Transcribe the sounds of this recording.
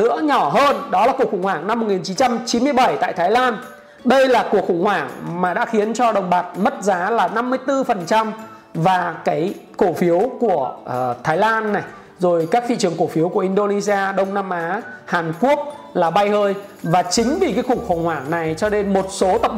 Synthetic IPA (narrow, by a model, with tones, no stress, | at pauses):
ɨ̰˧˥əɲɔ˧˩ɦəː˧nɗɔ˨˦laː˨˩ku˨˩əkxʊ˧˩ŋ͡mhwaː˧˩ŋna˧mːo˨˩t̚ŋi˨˩nt͡ɕi˨˦nt͡ɕa˧mt͡ɕi˨˦nmɨ˧əjɓə˧˩jt̪a̰ː˧˨jt̪ʰaː˨˦jlaː˧n | ɗə˧jlaː˨˩ku˨˩ək̚xʊ̰˧˩ŋ͡mhwaː˧˩ŋmaː˨˩ɗa̰ː˧˥xi˨˦ənt͡ɕɔ˧ɗə˨˩wŋ͡mɓaː˨˩t̚mə˦˥t̚zaː˨˦laː˨˩na˧mːɨ˧əjt̪ɨ˧fə˨˩nt͡ɕa˧m | vaː˨˩kaː˨˦jko˧˩fi˨˦əwku˧˩ə˩t̪ʰaː˨˦jlaː˧nːa˨˩j | zo˨˩jkaː˦˥k̚t̪ʰḭ˧˨t͡ɕɨ˨˩əŋko˧˩fi˨˦əwku˧˩əʔi˧nɗo˧ni˧zi˧aː˧ɗə˧wŋ͡mnaː˧mʔaː˨˦haː˨˩nku˦˥ək̚ | laː˨˩ɓa˧jhəː˧j | vaː˨˩t͡ɕï˨˦ŋ̟ɓi˧˨˩kaː˨˦xʊ˧˩ŋ͡mxə˧˩wŋ͡mhwaː˧˩ŋna˨˩jt͡ɕɔ˧ne˧nmo˨˩t̚so˨˦t̪ə˨˩p̚